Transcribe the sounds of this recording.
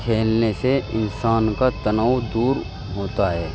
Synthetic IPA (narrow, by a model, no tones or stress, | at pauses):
kʰeːlneseɪnsaːnkat̪ɐnawd̪uːɾ | ɦoːt̪aɦɛː